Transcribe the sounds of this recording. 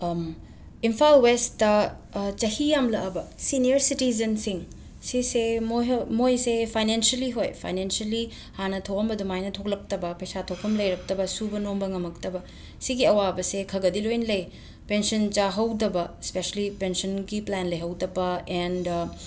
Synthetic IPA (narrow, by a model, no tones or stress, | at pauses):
m | impʰalwesɐ | t͡ʃɐhijamlɐʔɐbɐsinijɐɾsitizɐnsiŋ | sisemomojsepʰajnensɐliɦojpʰa̰jnensɐli | hanɐtʰoɐmbɐdumajnɐtʰok̚lɐk̚tɐbɐpɐjsatʰokʰːɐmlɐjɾɐk̚tɐbɐsubɐnombɐŋɐmɐktɐbɐ | siɡiɐwabɐsekʰɐɡɐdilojnlɐj | pensɐnt͡ʃaɦɐwdɐbɐspeselipensɐnɡiplanlɐjɦɐwdɐbɐend